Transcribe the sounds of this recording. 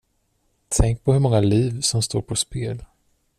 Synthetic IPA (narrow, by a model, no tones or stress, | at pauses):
t̪ʰɛŋk̚pʰɔhɵɾmɔŋːaliːvsɔmst̪oːɾpʰɔspeːl